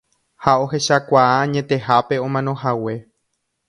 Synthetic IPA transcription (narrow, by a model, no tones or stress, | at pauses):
hao̞ɦe̞ʃakʷaaãɲẽ̞t̪e̞ɦape̞õ̞mãnõ̞ɦawe̞